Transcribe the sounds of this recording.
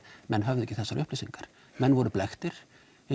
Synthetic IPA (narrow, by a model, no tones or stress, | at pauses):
mɛnːɦœvðʏɛcːɪθɛsːaɾʔʏhplisiŋkaɾ̥ | mɛnːvɔɾʏplɛxt̪ɪɾ̥